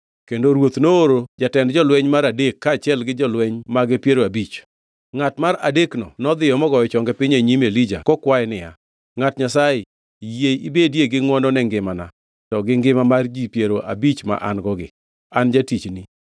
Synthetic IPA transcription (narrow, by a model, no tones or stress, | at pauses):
kendoɾwot̪nooɾod͡ʒatɛndd͡ʒɔlwɛɲmaɾadekːaːt͡ʃɛlɡɪd͡ʒɔlwɛɲmaɡɪpjeɾoabit͡ʃ | ŋatmaɾa̰deknɔ̰nɔd̪ɪjɔmɔɡɔjɔt͡ʃɔŋɡɛpɪɲeɲimelid͡ʒa̰kɔkwaɛnɪja̰ | ŋatɲasajɪ | jeibedjeɡɪŋwɔnɔnɛŋɡɪmana̰ | tɔɡɪŋɡɪmamard͡ʒipjeɾoʔa̰bit͡ʃma̰ʔanɡɔɡɪ̰ | and͡ʒatit͡ʃni